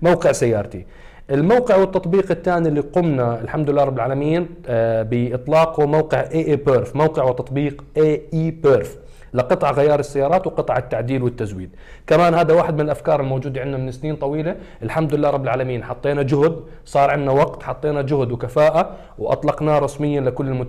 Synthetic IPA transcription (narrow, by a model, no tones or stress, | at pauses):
mawqɪʕsajːɑːɾˤt̪i | ʔɪlmawqɪʕwɪt̪ːɑt̪ˤbiːqɪt̪ːaːnilːiqʊmnaɪlħamd̪ʊlɪlːaːɾˤɑbːɪlʕaːlamɪjiːnbɪʔɨt̪ˤlɑːqmawqɪʕʔeːʔeːpeɾfmawqɪʕwɪt̪ɑt̪ˤbiːqʔeːʔiːpeɾf | lɪqɨt̪ˤʕɣajɑːɾˤɪsːajːɑːɾˤɑːt̪wɪqɨt̪ˤʕɪt̪ːaʕd̪iːlwɪt̪ːazwḭːd̪̚ | kamaːnhaːd̪awaːħɪd̪̚mɪnɪlʔafkɑːɾˤɪlmowːd͡ʒuːd̪aʕɪnːnamɪnɪsːniːnt̪ˤɑwiːla | ɪlħamd̪ʊɪlːaːɾˤɑbːɪlʕaːlamiːnħɑt̪ˤːeːnad͡ʒʊhd̪ | sˤɑːɾˤʕɪnːawɑqt̪ħɑt̪ˤːeːnad͡ʒʊhd̪wkafaːʔa | wʔɑ̰t̪ˤlɑqnaɾˤɑsmɪjːanlɪkʊlːɪlmʊ